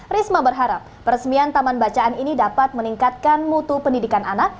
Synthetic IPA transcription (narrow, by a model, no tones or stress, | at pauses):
rismabərɦaɾap̚ːəɾəsmiant̪amanbat͡ʃaʔaninidapat̪̚məniŋkat̪̚kanmut̪upəndidikananak̚